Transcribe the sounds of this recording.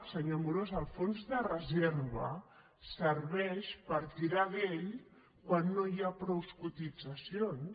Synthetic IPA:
səɲamuɾozəlˠfonzðərəzeɾβə | səɾβɛʃpəɾt̪iɾaðeʎ | kwanːojapɾowskut̪id͡zəsion

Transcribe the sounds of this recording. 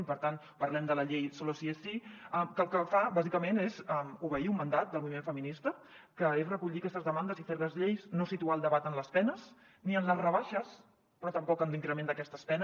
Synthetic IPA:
mpəɾt̪an | pəɾlɛmd̪ələʎejsɔlosiesiɛkəlˠkəfabazikəmenezɛmuβəiumːənd̪at̪̚d̪əlmuβimeɱfəminist̪ə | kəesrəkuʎitəkɛst̪əzðəmand̪əzifeɾləzʎejznosit̪ualˠd̪əβat̪ənləspɛnəs | niənləzrəβaʃəs | pɾɔt̪əmpɔkənliŋkɾəmend̪əkɛst̪əspɛn

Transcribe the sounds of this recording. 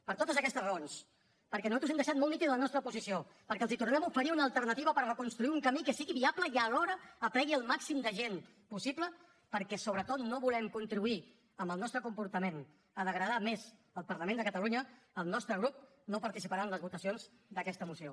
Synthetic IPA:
pəɾt̪ot̪əzəkɛst̪əzrəons | pəɾkɛnuzat̪uɛmd̪əʃat̪molˠnit̪iðələnɔst̪ɾəpuzisiopəɾkɛəlˠzit̪uɾnɛmufəɾiunəlˠt̪əɾnət̪iβəpəɾrəkunst̪ɾuiuŋkəmikəsiɣiβiapləiəlɔɾəːpɾɛɣiəlˠmaksimd̪əʒen | pusiplə | pəɾkɛsoβɾət̪ot̪noβulɛmkunt̪ɾiβui | əmbəlˠnɔst̪ɾəkumpuɾt̪əmen | əðəɣɾəð̞amez | əlˠpəɾləmend̪əkət̪əluɲə | əlˠnɔst̪ɾəɣɾup̚ | nopəɾt̪isipəɾaənləzβut̪əsionz | d̪əkɛst̪əmusio

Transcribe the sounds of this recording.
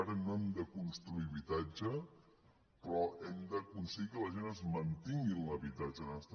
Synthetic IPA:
aɾənoɛmd̪əkunst̪ɾuiβit̪ad͡ʒə | pɾɔʔɛmd̪əkunsəɣikələʒenəzmənt̪iŋɡinləβit̪ad͡ʒənəst̪

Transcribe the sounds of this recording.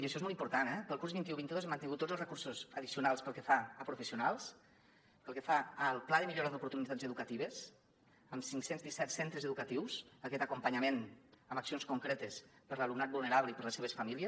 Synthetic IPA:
iəʃɔezmɔlˠimpuɾt̪anɛpəlˠkuɾzβint̪iuβint̪iðozeməniŋɡut̪ːozəlˠzrəkuɾsuzəðisiunalˠspəlˠkəfaəpɾufəsiunalˠs | pəlˠkəfaəlˠplaðəmiʎoɾaðupuɾt̪unit̪ad͡zzəðukət̪iβ̞əs | əmsiŋksenzðisɛt̪sent̪ɾəzəðukət̪iwzəkɛt̪əkumpəɲamenəməksionskuŋkɾɛt̪əspəɾləlumnat̪̚bulˠneɾaβləipəɾləseβ̞əsfamiliəs

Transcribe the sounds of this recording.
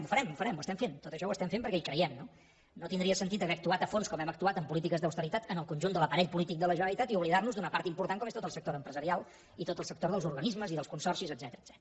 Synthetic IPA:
mufəɾɛmufəɾɛmuəst̪ɛmfent̪ot̪əʃɔwəst̪ɛmfempəɾkɛikɾəjɛmno | not̪ind̪ɾiəsənt̪it̪əβɛːk̚t̪uat̪əfonskɔmɛməkt̪uat̪əmpulit̪ikəzðəwst̪əɾit̪at̪ənəlˠkunʲʒund̪ələpəɾɛʎpulit̪ik̚d̪ələʒənəlit̪at̪iuβliðarnuzd̪unəpaɾt̪impuɾt̪aŋkɔmest̪ot̪əlˠsək̚t̪oɾəmpɾəzəɾialˠ | it̪ot̪əlˠsək̚t̪oɾðəlˠzuɾɣənizməziðəlˠskunsɔrsizəd̪zɛt̪əɾəd̪z̥ɛt̪

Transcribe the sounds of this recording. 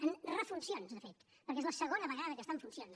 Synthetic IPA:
ənrəfunsionzðəfet̪ | pəɾk̬ezləsəɣonəβəɣaðəðəkəst̪aəɱfunsijons

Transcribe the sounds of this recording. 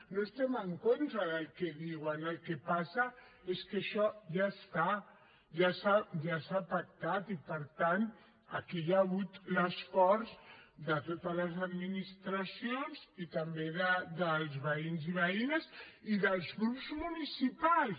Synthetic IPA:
noest̪ɛməŋkont̪ɾəðəlˠkɛðiwənəlˠkepasə | eskəʃɔʒast̪a | ʒasaʒasapək̚t̪at̪ipəɾt̪an | ə̰kijaɣut̪ləsfɔɾzd̪ət̪ot̪ələzəd̪minist̪ɾəsionzit̪əmbeðəd̪əlˠzβəinziβ̞əinəziðəlˠzɣɾupzmunisipalˠs

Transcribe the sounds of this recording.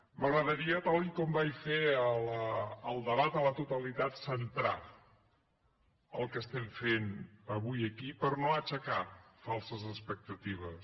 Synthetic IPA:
məɣɾəðəɾiət̪alʎkɔmbajfeələəlˠd̪əβat̪ələt̪ut̪əlit̪at̪sənt̪ɾa | əlˠkəst̪ɛɱfenəβujəkipəɾnoət͡ʃəkafalˠsəzəspək̚t̪ət̪iβ̞əs

